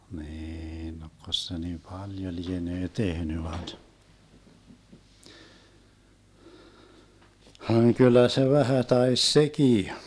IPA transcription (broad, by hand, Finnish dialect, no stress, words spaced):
niːn nokːos se ni pɑljo lieneː tehny ʋɑit hɑŋ kylˑæ se ʋæhæ tɑis sekiː